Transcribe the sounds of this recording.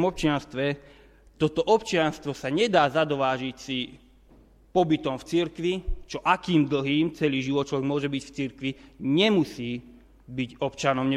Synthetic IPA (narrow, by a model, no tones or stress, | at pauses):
mɔp̚t͡ʃɪanst̪ʋɛ | t̪ɔt̪ɔʔɔpt͡ʃɪanst̪ʋɔsaɲɛd̪aːzad̪ɔʋaːʒicsi | pɔbit̪ɔmft͡siɾkʋit͡ʃɔʔakiːmd̪l̩ɦiːmt͡sɛliːʒiʋɔt̪t͡ʃɔʋɛɡmʊɔʒɛbicft͡siɾkʋiɲɛmusiː | biɟɔpt͡ʃanɔmɲɛ